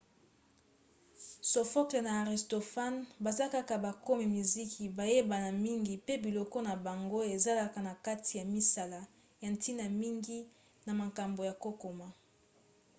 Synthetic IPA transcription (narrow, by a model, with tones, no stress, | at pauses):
so˨fɔ˦kle˨naː˨ʁi˨sto˨fa˦nba˨za˦ka˦ka˨ba˨ko˦mi˨mi˨zi˦kʰi˨ba˨je˦ba˨na˨mi˦ŋɡi˨pe˦bi˨lɔ˦kɔ˦na˨ba˨ŋɡo˦e˨za˦la˦ka˨na˨ka˦tʰi˨ja˨mi˦sa˨la˦ | ja˨nti˦na˨mi˦ŋɡi˦ | na˨ma˨ka˨mbo˨ja˨ko˦ko˨ma˦